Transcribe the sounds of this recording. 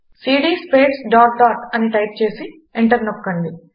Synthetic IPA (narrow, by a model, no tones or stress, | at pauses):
siːɖiːspeːʈsɖaːʈ̚ɖaːʈɐniʈɐjp̚t͡ʃe̞ːsi | eɳʈɐɾnokːɐɳɖi